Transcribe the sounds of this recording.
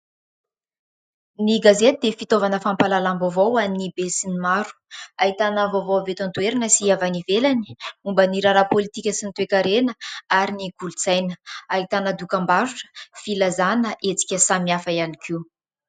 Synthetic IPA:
niɡazet̪id̪efit̪ovanəfampalalambovowanibesinimaɾu̥aɦit̪anəvovowavet̪ant̪ueɾanəsiavanivelani̥umbəniɾaɾapolit̪ikʲəsint̪uekʲaɾenəaɾiniɡ̥ulut͡sajnəaɦit̪anəd̪ukambaɾuʈ͡ʂə̥filazanəʔet͡si̥kʲəsamiafaianikʰi

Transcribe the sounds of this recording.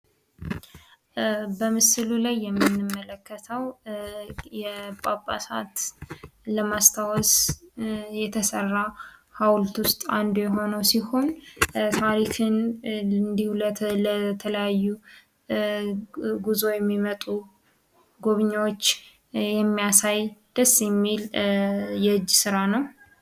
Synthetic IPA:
bəmɨsɨlulajːɛmːinːɨmːələkːət̪ʰəw | jɛpʼapʼa̰sa̰t̪ | ləmast̪ʰawɔs | jɛt̪ʰəsərːahawlt̪wʊst̪ʼand̪ojɛɦo̞nəwsiho̞nt̪ʰaɾikɨnɨnd̪ihullət̪ʰələjajːu | ɡuzo̞jɛmːimət̪ʼu | ɡoβɨɲːawot͡ʃː | jɛmːijasajd̪̥əsːjɛmːil | jɛɨd͡ʒːsɨɾanəw

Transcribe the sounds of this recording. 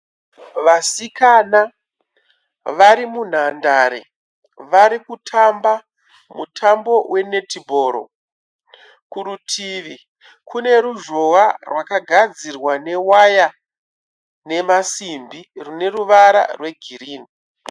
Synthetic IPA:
ʋasikana | ʋaɾimun̤andaɾḛ | ʋaɾikutʰamba | mutʰambo̞wʔe̞ne̞tibʱo̞ːɾo̰ | kuɾutʰiːʋi | kʰune̞ɾuʐo̞warwakaɡʱad͡zirwane̞waja | ne̞masimbirune̞ruʋaɾa̰rwe̞ɡʱiriːni

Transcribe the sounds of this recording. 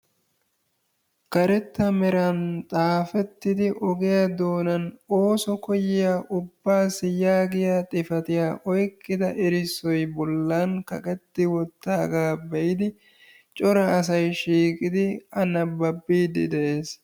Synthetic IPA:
kɐɾɛt̪ːɐmɛɾɐnt̪ʼaːfɛt̪ːɪd̪ɪʔɔɡɪjɐd̪o̞ːnɐnoːsɔkɔjɪjaːʔʊbːaːsɪjaːɡɪjat̪ʼɪfɐt̪ɪjaːʔɔjkːɪd̪ɐʔɪɾɪsːɔjbɔlːankɐ̰kʼɛt̪ːɪwɔt̪ːaːɡaːbɛʔɪd̪ɪ | t͡ʃʼɔɾɐːs̬ɐjʃiːkʼɪd̪ɪɐnɐbɐbːiːd̪ɪ̰d̪ɛʔeːs

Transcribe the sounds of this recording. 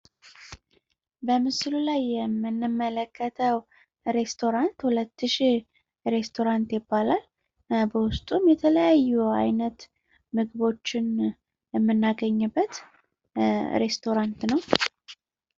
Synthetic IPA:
bəmɨslulajːɛmːɨnːɨmːələkʰːət̪ʰəw | ɾe̞st̪ʰo̞ɾant̪hulət̪ːɨʃi | ɾe̞st̪ʰo̞ɾant̪jɪbːalal | bəwʊst̪ʼumjɛt̪ʰələjajːua̰jnət̪ | mɨɡɨβo̞t͡ʃːɪn | jɛmːɨnːaɡəɲːɨbːət̪ | ɾe̞st̪ʰo̞ɾant̪nəw

